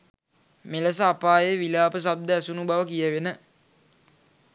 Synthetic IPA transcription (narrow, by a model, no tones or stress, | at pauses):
meləs̬əapaːjeʋilaːpəs̬ab̚d̪əæsunubaʋəkijəʋenə